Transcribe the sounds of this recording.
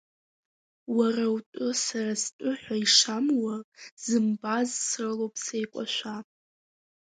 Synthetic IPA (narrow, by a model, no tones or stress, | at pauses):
warawtʷʼʊsarastʷʼʊħʷaiʂamwaz̥ɨmbazsrɨlowpʼʰsejkʷʼa̰ʃʷa